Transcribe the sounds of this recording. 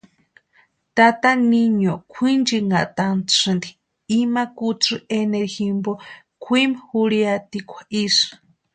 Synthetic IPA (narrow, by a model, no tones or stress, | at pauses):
t̪at̪aniɲokʷʰind͡ʒiŋaʔt̪ant͡sʰɨnd̪i | imakut͡sɨʔeneɾhimbo | kʷʰimhuɾiat̪ikʷʰḁʔiʂɨ̥